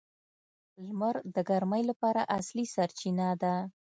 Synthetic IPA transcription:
lmaɾd̪əɡaɾmajlapɑɾaʔaslisaɾt͡ʃinad̪a

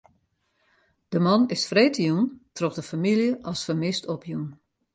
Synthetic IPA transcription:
d̥əmɑnɪsfreːtəjuntrɔxdəfamilˠjəʔɔsfəmɪstʰɔpʰjun

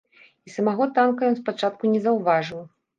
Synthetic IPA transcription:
isɐmaɣɔt̪ankɐjɔnspat͡ʂat̪̚kunʲɛzɐwvaʐɨw

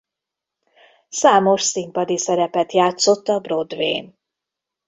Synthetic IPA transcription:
saːmo̞ʃsimpɒd̪isɛɾɛpɛt̪jaːt̪so̞t̪ːɒbro̞d̪vḛːn

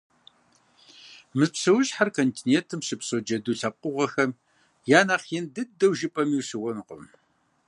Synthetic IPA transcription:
mɨzpɕɨwɕħarkʰoːntʰiːneːntʰɨmɕɨpsod͡ʒɐduːɬɐp̚qʊʁʷɐxɐm | jaːnaqindɨdɐwʒɪpʼɐmiwɕɨwɔnqʷʊ̰m

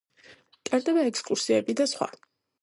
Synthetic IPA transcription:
kʼɛɾd̪ɛbaɛkskʼuɾsiɛbid̪asχwa̰

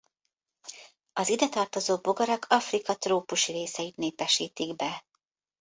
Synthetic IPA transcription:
ɒzid̪ɛt̪ɒrt̪o̞zoːboɡɒɾɒkʰɒfrikɒt̪roːpuʃiɾeːsɛit̪neːpɛʃiːt̪iɡbɛ

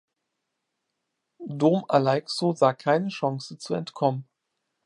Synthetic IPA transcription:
doːmalaɪksozaːkʰaɪnəʃaŋsət͡suɛ̰ntkʰɔmən

